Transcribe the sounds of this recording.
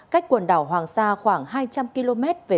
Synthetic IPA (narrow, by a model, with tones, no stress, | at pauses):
ka˦˥jk̟̚kwə˨˩nɗaː˨˧˩wɦwaː˨˩ŋsaː˧xwaː˧˩ŋɦaː˧jt͡ɕa˧mki˧lo˧mɛ˦˥t̚ve˨˩